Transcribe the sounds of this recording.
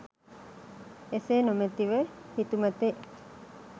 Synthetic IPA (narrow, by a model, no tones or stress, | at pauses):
esenomet̪iʋehit̪umət̪eʔ